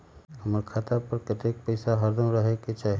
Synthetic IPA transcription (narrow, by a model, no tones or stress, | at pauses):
ɐməɾkʰaːt̪apəɾkɐt̪eːk̚pəɪsaɦɐɾd̪ʱə̃ɾəɦeket͡ʃaːɦ